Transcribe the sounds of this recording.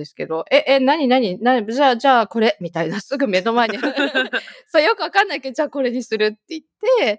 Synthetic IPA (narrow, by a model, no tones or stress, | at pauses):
d̪esɨ̥ke̞d̪o̞ʔe̞ʔenaɲ̟inaɲ̟inad͡ʑaːd͡ʑaːko̞ɾe̞mʲit̪ainasɨɡɯ̟me̞no̞maeɲia | sojo̞kɯ̟βakanːaiked͡ʑaːko̞ɾe̞ɲ̟isɨɾɯ̟t̪ːe̞it̪ːe̞